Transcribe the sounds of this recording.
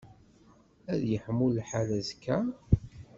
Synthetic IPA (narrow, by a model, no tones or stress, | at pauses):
æðjəħəmːulħalæzkʰːæ